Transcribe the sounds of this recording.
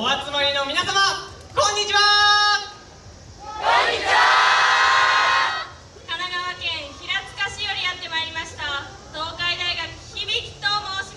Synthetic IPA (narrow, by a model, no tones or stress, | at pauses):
oat͡sɨmaɾʲino̞mʲinasama | kõ̞ɲ̟ːit͡ɕiβa | o | kanaɡaβakẽ̞ɰ̃çiɾat͡sɨ̥kaɕijoɾʲijat̪ːe̞maiɾʲimaɕi̥t̪a | d̪̥o̞ːkaid̪aiɡakɯ̟̥çibʲiki̥t̪omoːɕi